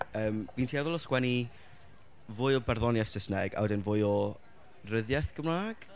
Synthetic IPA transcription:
əːmviːntʰiːaðɔlɔskwɛni | vʊːjɔbɛrðɔnjɛθsəsnɛɡa̰wdɛnvʊɨɔ | rəðjɛθɡ̥əmraːɡ̥

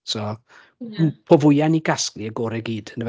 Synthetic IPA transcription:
sɔː | pʰovʊjaniɡaskliəɡoːɾɛɡiːd̥ənəv

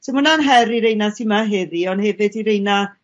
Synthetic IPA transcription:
sʰomʊnanɦɛɾiɾejnasimaɦɛðiɔnhɛvɨdiɾejna

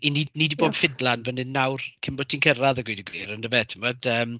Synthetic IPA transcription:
ininidiboːb̥fɪdlˠanvənɨnːawrkʰɪmbɔtʰinkʰəɾaðəɡwɪdəɡwiːɾənəvɛtʰɪmɔd̥əːm

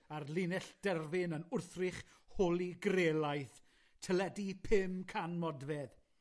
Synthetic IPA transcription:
arlɪnɛɬd̥ɛrvɪnənʊrθrɪχ | holˠiɡreːlˠajθ | tʰəlɛdipʰɪmkʰanmɔdvɛð

